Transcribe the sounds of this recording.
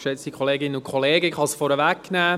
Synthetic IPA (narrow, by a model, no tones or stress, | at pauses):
ʃɛt͡stikʰχoleːɡɪnənʊkʰχɔleːɡəχɑsfɔɾəʋækːnæː